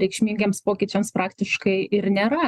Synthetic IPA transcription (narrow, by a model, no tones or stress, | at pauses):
ɾʲɛɪkʃʲmʲiːŋʲɡʲeːmspoːkʲɪːt͡ʃʲɛmspɾɑːkt̪ʲɪʃkɐɪɪɾnʲeːɾɐ